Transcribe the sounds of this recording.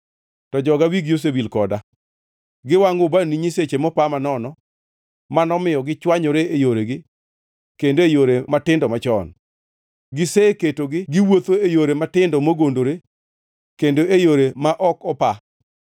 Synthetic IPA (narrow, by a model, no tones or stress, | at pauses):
tɔd͡ʒɔɡawiɡjos̬ebilkɔda | ɡɪwaŋʊbaniɲiset͡ʃemɔpamanɔnɔ | manɔmɪjɔɡɪt͡ʃwaɲoɾeejoɾeɡɪ | kendoejoɾematɪndɔmat͡ʃɔ̰n | ɡɪseketoɡɪɡɪwot̪oejoɾematɪndɔmoɡondoɾe | kendoejoɾemaʔɔkɔpa